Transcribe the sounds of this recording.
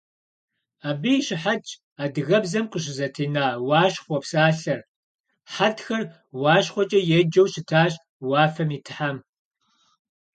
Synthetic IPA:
aːbɨɕɪħat͡ʃʼ | aːdɨɣɐbzɐmqʼəɕ̬ɪzɐtʰiːnaːwɑːɕχʷɔpsaːɬɐr | ħatxɐr | wɑːɕχʷɔt͡ʃʼɐjɛd͡ʒɐwɕɪtʰaːɕ | wɑːfɐmiːtʰɨ̥ħam

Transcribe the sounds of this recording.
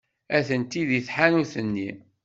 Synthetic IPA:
æθənt̪iðiθħanuθənːi

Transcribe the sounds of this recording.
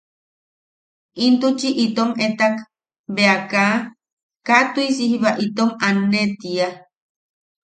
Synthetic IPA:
int̪ut͡ʃiʔit̪omet̪ak | beaka | kat̪uis̬ihiβaʔit̪omanːet̪ia

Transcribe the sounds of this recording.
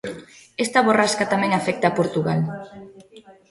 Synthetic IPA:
est̪aβoraskat̪amɛ̃ŋafɛk̚t̪aːpoɾt̪uɣal

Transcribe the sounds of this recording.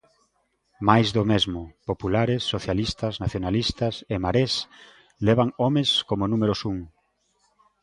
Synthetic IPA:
majzðomezmʊpopulaɾɪsːoθjalist̪ɐznaθjonalist̪ɐsemaɾes | leβaŋɔmeskomonũmeɾʊsuŋ

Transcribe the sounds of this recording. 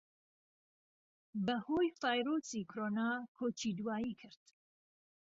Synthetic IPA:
bɐhojfaːjɾosikʰɾoːnakʰoːt͡ʃʰid̪waːjikʰɨɾd̪̥

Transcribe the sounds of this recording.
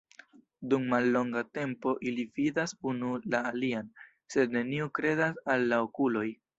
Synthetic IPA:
dumːalːo̞ŋɡate̞mpo̞ʔilividasunulaːlian | se̞dne̞niukɾe̞dasalːaokulo̞j

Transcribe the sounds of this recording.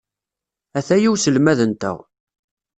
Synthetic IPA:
æθæjiwsəlmæðənt̪æ̰ʁ

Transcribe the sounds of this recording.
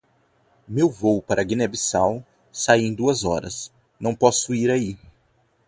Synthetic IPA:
mewvowpaɾɐɡinebisaw | saiẽj̃d̪uɐzɔɾɐ̰s | nɐ̃w̃pɔsʊiɾai

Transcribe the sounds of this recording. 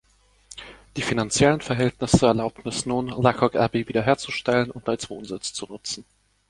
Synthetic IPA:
d̥iːfinant͡sjɛlənfɛɐɦɛltnɪsəɛɐlaʊp̚tn̩ɛsnuːnlakʰɔkɛ̰ɐbeːviːdɐɦeːɐt͡suʃtɛlənʊntaɪt͡sv̥o̰ːnzɪt͡st͡sunʊt͡sn̩

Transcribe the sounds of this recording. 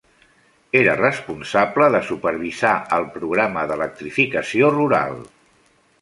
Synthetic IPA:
eɾərəspunsabləðəsupəɾβ̞izaəlˠpɾuɣ̞ɾaməðələk̚t̪ɾifikəsioruɾa̰lˠ

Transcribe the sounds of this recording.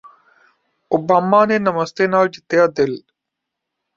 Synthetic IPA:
ʊbaːmːaːneːnɐmɐst̪enaːld͡ʑit̪jaːd̪el

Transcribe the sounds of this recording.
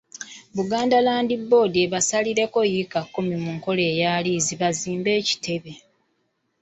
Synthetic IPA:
βuɡaːndalaːndibːo̞ːdieβasaliɾe̞ko̞jikakːumimuŋko̞le̞ːjaːliːziβaziːmbe̞ːci̥tʰe̞βe̞

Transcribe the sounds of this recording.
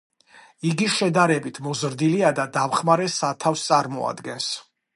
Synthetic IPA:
iɡiʃɛd̪aɾɛbit̪ʰmɔzɾd̪iliad̪ad̪amχmaɾɛsat̪ʰafst̪sʼaɾmɔ̰a̰d̪ɡɛns

